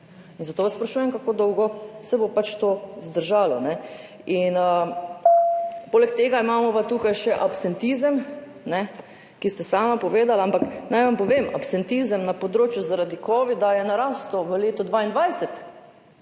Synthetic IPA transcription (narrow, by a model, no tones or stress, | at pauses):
inzat̪oːʋaspɾaʃuːjɛmkakoːd̪ɔwɡɔsɛbopat͡ʃt̪oːzd̪əɾʒaːlɔnɛ | inə | poːlɛkt̪eːɡaimaːmɔʋat̪uːkajʃɛʔapsɛnt̪izəm | nɛ | kist̪ɛsaːmapɔʋeːd̪alaampaknajʋampɔʋeːmʔa̰psɛnt̪izəmnapɔd̪ɾoːt͡ʃjuzaɾad̪ikɔːʋid̪ajɛnaɾaːst̪ɔʋəleːt̪ɔd̪ʋaːind̪ʋajsɛt̪